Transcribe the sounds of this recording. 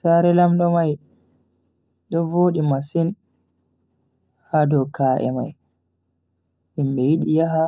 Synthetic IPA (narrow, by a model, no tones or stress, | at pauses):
saɾɛlamɗɔmaj | ɗɔvoːɗimasin | hadɔkaːʔɛ̰ma̰j | ʔimɓɛjiɗijaɦa